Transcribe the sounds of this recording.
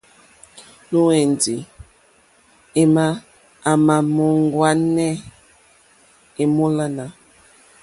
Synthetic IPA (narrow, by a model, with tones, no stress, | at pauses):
no˦e˨ndi˨ | e˦maː˦˨ | ma˨mɔ˨ŋ˦ɡwa˦nɛ˦ | e˨mo˦la˦na˨